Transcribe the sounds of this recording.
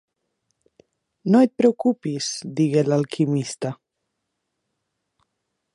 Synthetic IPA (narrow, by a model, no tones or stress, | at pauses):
noet̪̚pɾewkupisd̪iɣelalkʰimist̪a